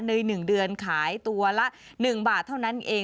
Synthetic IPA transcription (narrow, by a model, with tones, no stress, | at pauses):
nɯ˧jnɯ˨˩ŋdɯ˧ənkʰaː˩˦jt̪u˧ɐlɛ˦˥ʔ | nɯ˨˩ŋbaː˨˩t̪ʰːa˥˩wna˦˥nʔeː˧